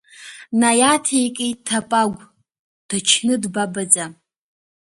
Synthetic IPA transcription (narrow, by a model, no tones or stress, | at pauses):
najatʰejkʼejttʰːapʼaɡʷ | d̥at͡ʃʰnɨdbabad͡zʼa